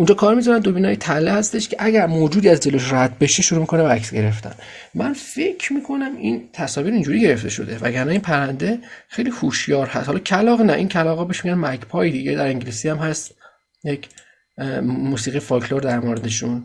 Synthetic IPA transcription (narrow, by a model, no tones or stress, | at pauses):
ʔund͡ʒɒːkʰɒːɾmizɒɾænd̪o̞biːnɒːjet̪ʰælːehæst̪e̞ʃkʰeʔæɟæɾmoːd͡ʒuːd̪iːæzd͡ʒeloeʃɾæd̪̚be̞ʃeʃuɾuːmikʰonebææksɟe̞ɾe̞ft̪æ̰n | mænfe̞kʰmiːkʰo̞næmint̪ʰæsɒːviɾind͡ʒuːɾiːɟe̞ɾe̞ft̪e̞ʃo̞̰d̪e̞væ̰ɟæɾnæiːnpʰæɾænd̪e̞xejlihuʃjɒːɾhæ̰st̪hɒːlɒcʰælɒːɣnæʔincʰælɒːʁɣɒːbe̞ʃmiɟænmækʰpʰɒːjed̪iːɟed̪æɾeŋɟelisiæmɦæst̪ | jecʰ | muːsiːɣijefɒkʰloɾd̪æɾmoɾe̞d̪eʃun